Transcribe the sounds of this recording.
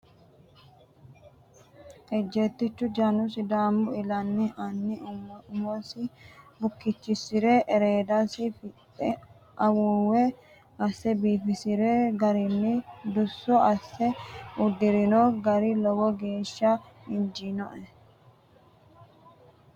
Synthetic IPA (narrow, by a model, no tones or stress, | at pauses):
ɛd͡ʒːeːt̪ːɪt͡ʃːʊd͡ʒɐnʊsɪd̪aːmbʊɪlɐnːɪʔɐnːɪʊmɔsɪbʊkːɪt͡ʃːɪsɪɾeːʔɛɾeːd̪asɪfɪ | ɛ | ʔɐwʊwɛ | ɐsːɛbiːfɪsɪɾeːɡɐɾɪnːɪd̪ʊsːɔɐsːɛʊd̪ːɪɾɪnoɡɐɾɪlɔwɔɡe̞ːʃːɐɪnd͡ʒinɔ̰ʔɛ